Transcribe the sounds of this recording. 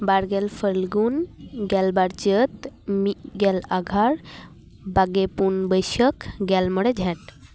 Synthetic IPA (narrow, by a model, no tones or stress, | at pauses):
baɾɡɛlpʰəlɡunɡɛlbaɾt͡ʃət̪miɡɛlaɡʱaɾ | baɡepunbəjsəkɡɛlmɔɽɛd͡ʒʱɛʈ